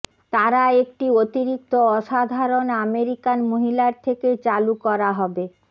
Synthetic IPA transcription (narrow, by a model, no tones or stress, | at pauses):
t̪aɾaek̚ʈiot̪iɾik̚t̪oɔʃad̪ʱaɾonameɾikanmoɦilaɾt̪ʰeket͡ɕalukɔɾaɦɔbe